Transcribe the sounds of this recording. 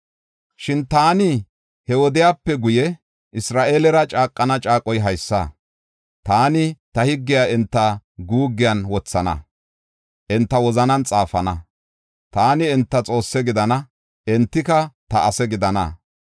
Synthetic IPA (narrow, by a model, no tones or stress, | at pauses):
ʃɪnt̪aːnɪ | hɛwɔd̪ɪjaːpːɛɡʊjɛ | ʔɪsɾaːʔeːlɛɾɐt͡ʃʼaːkʼːɐnɐt͡ʃʼaːkʼːɔjɦɐjsːɐ̰ | t̪aːnɪt̪ɐhɪɡːɪjaːɛnt̪ːɐɡuːɡːɪjɐnwɔt͡sːɐnɐ̰ | ʔɛnt̪ːɐwɔzɐnɐnt͡sʼaːfɐnɐ | t̪aːnɪɛnt̪ːɐt͡sʼo̞ːsːɛɡɪd̪ɐnɐ | ɛnt̪ːɪkɐt̪ɐʔːsɛɡɪd̪ɐnɐ̰